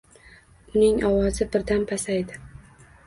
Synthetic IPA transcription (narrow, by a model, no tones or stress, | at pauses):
ʊnɪŋɒwɒzɪbɪɾd̪anpʰasajd̪ɪ